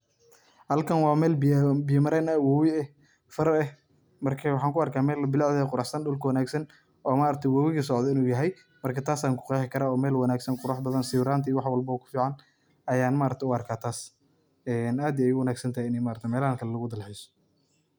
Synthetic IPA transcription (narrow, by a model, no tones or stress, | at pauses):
hɐlkʰɐnwɑːmɛːlbɪjɐmɐɾɛːnɐwɔwɪɛ | fɐɾɛh | mɐrkʰɐwɑħɑːŋkʊɐrkʰaːmɛːlɐbɪlɑʕðɐjɛqʊɾɑħsɐnɖʊlkʰɐwɐnaːɡsɐn | ɔːmaːɾɐt̪ʰɛwɔːwɪɣɐs̬ɔʕd̪ɔɪnuːjɐɦɛj | mɐrkʰɐt̪ʰaːsaːŋkʰʊ̥qɑːħɪkʰɐɾaːɔːmɛːlwɐnaːɡsɐnqʊɾaħbɐðɐnsɪːβɾaːnt̪ʰɐiːwɑħwɐlbɐɔːkʰʊ̥fiːʕɑn | ɐjaːnmaːɾɐkt̪ɛʊɐrkʰaːt̪ʰaːs | ɛːnaːd̪iɛjʊwɐnaːɡsɐnt̪ʰɐɦjɪnɛjmaːɾɐt̪ʰɛmɛːlɐhaŋkʰɐlɛlɐɣʊd̪ɐlħɪsɔ̥